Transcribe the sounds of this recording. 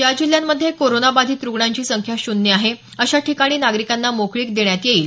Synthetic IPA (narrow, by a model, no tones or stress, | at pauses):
jad͡ʑil̤ːjamːəd̪ʱːjekoɾonabad̪ʱiːt̪ɾuɡɳaɲt͡ɕiːsəŋkʰjaɕunːiaɦe | əɕaʈʰikaɽ̃iːnaɡɾikanːamokɭiːk̚d̪eɳjat̪jeiːl